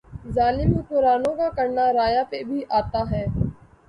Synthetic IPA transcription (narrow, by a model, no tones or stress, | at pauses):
zaːlɪmkekʊɾaːnõkakɐɾnaɾaːjapebʱiʔaːt̪aɦɛː